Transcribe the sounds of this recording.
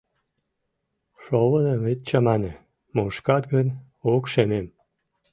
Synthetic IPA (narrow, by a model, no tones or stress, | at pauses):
ʃoβənəβet̪̚t͡ɕɑmɑne | moʃkɑt̪ɡən | okʃemem